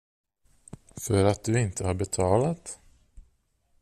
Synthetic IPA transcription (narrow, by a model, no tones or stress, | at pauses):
fœɾat̪̚d̪ɵɪnt̪əhaɾbɛt̪ʰɑːlat̪